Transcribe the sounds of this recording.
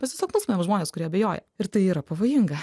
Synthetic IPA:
mʲɛst̪ʲʋʲɛsʲoːknuːsʲmʲnʲɛmʒmoːnʲeːskʊɾʲiɛɐbʲejoːjɛ̰ɪɾt̪ɐɪiːɾɐpɐʋoːjɪŋɡɐ

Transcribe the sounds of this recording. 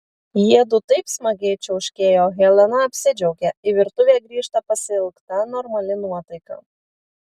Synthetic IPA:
jiɛd̪ʊt̪ɐɪpsmɐɡʲɛːt͡ʃʲɛʊʃʲkʲeːjoːɣʲɛlʲɛnɐɐpʲsʲɪd͡ʒʲɛʊɡʲɛɪʋʲɪɾt̪ʊʋʲeːɡɾʲiːʃt̪ɐpɐsʲɪɪlˠkt̪ɐnɔɾmɐlʲɪnuɔt̪ɐɪkɐ̰

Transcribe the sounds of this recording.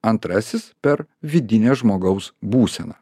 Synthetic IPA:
ɐnt̪ɾɐsʲɪspʲɛɾʋʲɪd̪ʲɪnʲɛːʒmoːɡɐʊsbuːsʲɛ̰nɐ

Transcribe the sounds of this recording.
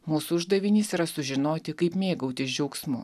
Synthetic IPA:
muːsuʊʒd̪ɐʋʲɪnʲɪːsiːɾɐsʊʒʲɪnoːt̪ʲɪkɐɪpmʲeːɡɐʊt̪ʲɪsd͡ʒʲɛʊksmʊ̰

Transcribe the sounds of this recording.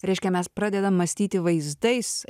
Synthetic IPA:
ɾʲɛɪʃʲkʲɛmʲɛspɾɑːd̪ʲɛd̪ɐmːɐsʲt̪ʲiːt̪ʲɪʋɐɪzd̪ɐɪs

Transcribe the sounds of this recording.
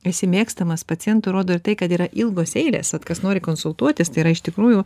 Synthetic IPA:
ɛsʲɪmʲeːkst̪ɐmɐspɐtt͡s̪sʲɪjɛnt̪ʊɾoːd̪oːɪɾt̪ɐɪkɐt̪iːɾɐʔɪlˠɡoːsɛɪlʲḛːsʋɐt̪kɐsnoːɾʲɪkoːnsʊlˠt̪uɔt̪ʲɪst̪ɐɪiːɾɐɪʃt̪ʲɪkɾuːju

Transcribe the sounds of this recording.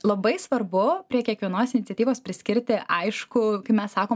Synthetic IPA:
lˠɐbɐɪsʋɐrbʊpʲɾʲiɛkʲiɛkʋʲiɛnoːsɪnʲɪt̪sʲɛt̪ʲiːʋoːspʲɾʲɪsʲkʲɪɾʲt̪ʲɪʔɐɪʃkʊkɐɪpmʲɛssɑːkoː

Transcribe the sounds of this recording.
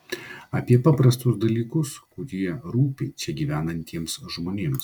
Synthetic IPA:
ɐpʲiɛpɑːpɾɐst̪ʊsd̪ɐlʲiːkʊskʊɾʲiɛɾuːpʲɛɪt͡ʃʲɛɡʲiːʋʲæːnɐnʲt̪ʲiɛmsʒmoːnʲeːms

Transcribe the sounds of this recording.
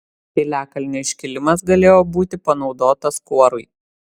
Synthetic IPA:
t̪ʲɪlʲæːkɐlʲnʲoːɪʃʲkʲɪlʲɪmɐsɡɐlʲeːjoːbuːt̪ʲɪpɐnɒʊd̪oːt̪ɐskuɔɾʊɪ

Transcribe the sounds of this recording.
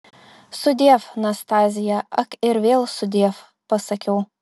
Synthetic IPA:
sʊd̪ʲeːfnɐst̪aːzʲɪjɛɐkɪɾvʲeːlˠsʊd̪ʲeːf | pɐsɐkʲʰɛw

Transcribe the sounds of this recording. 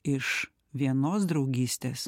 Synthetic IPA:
ɪʃ | ʋʲiɛnoːsd̪ɾɒʊɡʲiːsʲt̪ʲeːs

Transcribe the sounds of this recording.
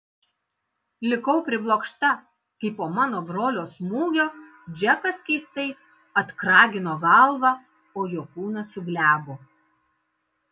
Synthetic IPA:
lʲɪkɐʊpʲɾʲɪblˠoːkʃt̪ɐ | kɐɪpoːmɑːnoːbɾoːlʲoːsmuːɡʲoː | d͡ʒʲɛkɐskʲɛɪst̪ɐɪ | ɐt̪kɾɑːɡʲɪnoːɡɐlˠʋɑ | oːjoːkuːnɐsʊɡlʲæːboː

